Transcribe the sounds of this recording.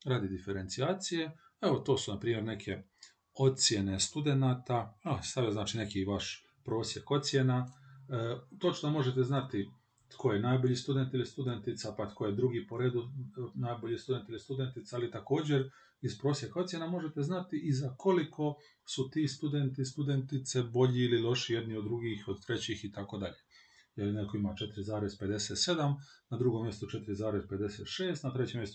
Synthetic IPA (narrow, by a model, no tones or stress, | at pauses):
ɾaːd̪id̪ifeɾe̞nt̪sijaːt̪sije̞ | eʋo̞t̪o̞ːsunapɾiːmje̞ɾne̞kʰe̞ | o̞t̪sje̞ne̞st̪ud̪e̞naːt̪aast̪aʋijoznaːt͡ʃine̞kiʋaʃ | pɾo̞ːsjeko̞t̪sje̞na | t̪o̞t͡ʃnomo̞ʒet̪eznat̪ɪ | t̪kʰojenaːjboʎist̪ud̪e̞nt̪ilist̪ud̪e̞nt̪it̪sapat̪kʰo̞jed̪ɾuɡipo̞ɾe̞ːd̪unaːjboʎist̪ud̪e̞nt̪ilist̪ud̪e̞nt̪it̪saːlit̪ako̞ːd͡ʑeɾ | ispɾo̞ːsjekaot̪sjenamo̞ʒet̪eznat̪iʔizako̞likʰo̞ | sut̪iːst̪ud̪ent̪ist̪ud̪ent̪it̪sebo̞ʎiililo̞ʃijed̪niod̪ːɾuɡiːxod̪t̪ɾe̞t͡ɕixit̪ako̞d̪a̰ʎe | jelineko̞imat͡ʃe̞t̪iɾizaːɾezped̪e̞set̪se̞d̪amnad̪ɾuɡo̞mje̞st̪ot͡ʃet̪iɾizaːɾezpe̞d̪eseːt̪ʃeːst̪nat̪ɾet͡ɕemje̞st̪